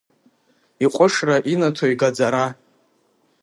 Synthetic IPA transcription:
iqʷʼʊʂraʔinatʰoiɡad͡zaɾa

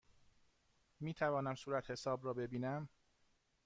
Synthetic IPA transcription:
miːt̪ʰævɒːnæmsuːɾæt̪he̞sɒːbrɒːbe̞biːnæm

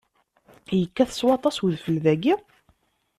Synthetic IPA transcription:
jəkːæθə̥swɑt̪ˤɑswðfəlðæɡi

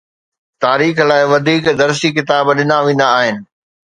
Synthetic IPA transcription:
t̪aːɾiːxlaːɪʋɐd̪ʱiːkd̪ɐɾsikɪt̪aːbɗɪnaʋẽːnd̪aːɦɪnɪ̆

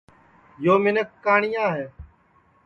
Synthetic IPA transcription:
joːmɪnəkːaːɳɪjãːɦeː

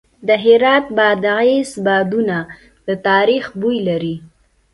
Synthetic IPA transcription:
d̪əɦɪɾɑt̪̚bɑd̪aesbɑd̪una | d̪̥ət̪ɑɾixbujlaɾi

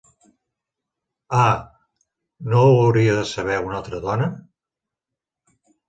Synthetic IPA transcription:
a | nowəwɾiəðəsəβ̞ɛunalˠt̪ɾəðɔnə

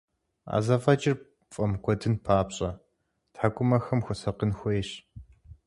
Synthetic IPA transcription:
a̰ːzɐfʼɐt͡ʃʼɪr | fʼɐmkʷʰɔdɨnpʰaːpɕʼɐ | tħakʷʼʊmɐxɐmxʷʊsɐqənxʷɔjɕ

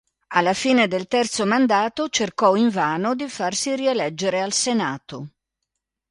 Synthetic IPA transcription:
alːafiːned̪elt̪ɛrt̪somand̪aːt̪ot͡ʃerkɔiɱvaːnod̪ifarsirielɛd͡ʒːeɾealsenaːt̪o

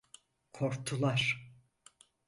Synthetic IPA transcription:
kʰoɾt̪ʰulˠaɾ

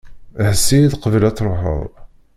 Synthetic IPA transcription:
əhsiðqəvəlæt͡sˤːɾˤħə̰ðˤ

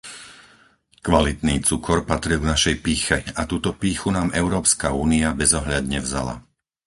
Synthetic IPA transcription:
kʋalit̪niːt͡sukʰɔɾpat̪ɾilɡnaʃɛjpiːxɛat̪uːt̪ɔpiːxunaːmʔɛʊɾɔːpskauːniabɛzɔɦʎad̪ɲɛvza̰la̰

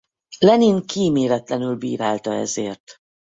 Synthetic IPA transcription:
lɛniŋkiːmeːɾɛt̪lɛn̪ylbḭːɾaːlt̪ɒɛ̰zeːrt̪

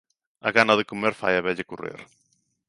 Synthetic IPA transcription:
aɣanɐðekomeɾfa̰jaβɛʎakorḛɾ

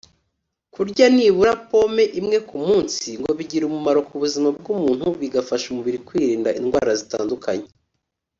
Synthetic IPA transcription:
kuɾɟaniβuɾapo̞me̞ʔimŋe̞kumuːnsiŋɡo̞βiɟiɾumumaɾo̞kuβuzimab̚ɡumuːn̥huβiɡafaʃumuβiɾikwiːɾiːndaʔḭnɡwa̰ːɾazita̰ːndukʰa̰ɲe

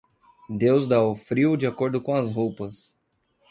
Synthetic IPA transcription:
d̪ewzd̪aʊfɾiwʊd͡ʒiakoɾd̪ʊkõɐzɦowpɐs

